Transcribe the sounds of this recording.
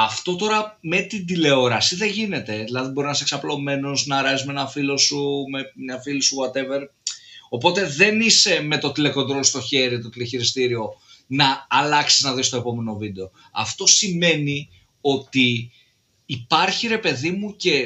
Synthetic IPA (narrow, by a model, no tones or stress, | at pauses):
ɐft̪o̞t̪o̞ɾɐ | me̞t̪ind̪ile̞o̞ɾɐsiðe̞ʝine̞t̪e̞ðilɐðibo̞ɾinɐseksɐplo̞me̞no̞znɐɾɐsizmeenɐfilo̞sumeɲɐfilisuɣwat̪e̞ve̞ɾo̞po̞t̪e̞ðe̞nise̞me̞t̪o̞t̪ile̞ko̞nd̪ɾo̞lost̪o̞çe̞ɾit̪ot̪ileçiɾist̪iɾio̞ | nɐːlɐksiznɐðist̪oepo̞me̞no̞vid̪e̞o̞ | ɐ̰ft̪o̞sime̞ni | o̞t̪iː | pɐɾçiɾe̞pe̞ðimuce̞